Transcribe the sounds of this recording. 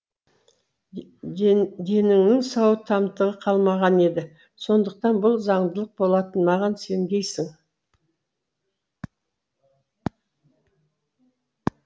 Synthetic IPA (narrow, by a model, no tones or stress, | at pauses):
d̪e̞nɪŋnɪŋsɑwət̪ʰɑmt̪əʁəqʰɑlˠmɑʁɑne̞d̪ɪ | so̞nd̪əq̚t̪ɑnbʊlˠzɑɴd̪əlˠəq̚bo̞lˠɑt̪ənmɑʁɑnse̞md̪ʲe̞jsɪŋ